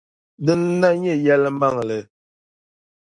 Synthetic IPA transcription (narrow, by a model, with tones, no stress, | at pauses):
dɨ˦n˦na˦ɲe˦˨jɛ˦lə˦m̩˦ba˦˨ŋ˨lə˨